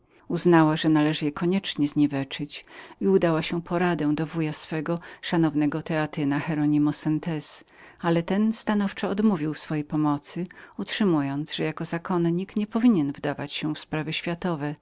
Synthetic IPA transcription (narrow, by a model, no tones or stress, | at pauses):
uznawaʐɛnalɛʐɘjɛkɔɲɛt͡ʂɲɛzɲivɛt͡ʂɘt͡ɕiud̪awaɕɛpʰɔɾad̪ɛw̃d̪ɔvujasfɛɡɔʂanɔvnɛɡɔt̪ɛat̪ɘnaxɛɾɔɲimusɛnt̪ɛs | alɛt̪ɛnst̪anɔft͡ʂɔɔd̪muvʲiwsfɔjejpɔmɔt̪sɘutʂɘmujɔnt̪zʐɛjakɔzakʰɔnɲikɲɛpɔvʲiɲɛnvd̪avat͡ɕɕɛfspɾavɘɕfʲjat̪ɔvɛ